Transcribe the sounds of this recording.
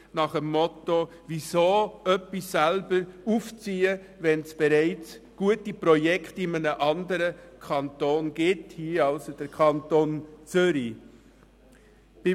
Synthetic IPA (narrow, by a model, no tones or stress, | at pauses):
nɑχəmːɔto | visoːœpːisːɛlbəɾuft͡siːə | ʋɛnsb̥ɛɾæɪt͡s | ɡ̥uətipɾɔjɛkχtɪmənəʔɑndəɾəkʰɑnt̪oːnɡ̥ɪthiəɑlsod̥əɾkʰɑntoːnt͡sʏɾi | b̥ɪ